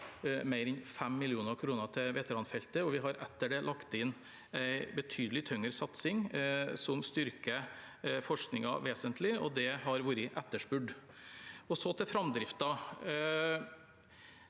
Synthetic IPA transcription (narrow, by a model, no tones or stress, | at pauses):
mæɪɾɛnfɛmːɪlɪuːnəɾkʰɾuːnət̪ʰɪʋɛːt̪əɾɑnfɛlt̪əɔʋɪɦɑɾɛt̪ːəɖɛlʔɑkt̪ɪnː | æɪbət̪ʰyːd̪əlɪt̪ʰœŋəɾsɑt̪sɪŋsɔmst̪ʏɾkə | fɔʂknɪŋɑʋeːsənt̪ʰlɪɔ̰d̪ɛɦɑɾʋuːɾəɪʔɛt̪ːəʂbʉɖ | ɔsɔt̪ʰɪfɾɑmd̪ɾɪft̪ɑ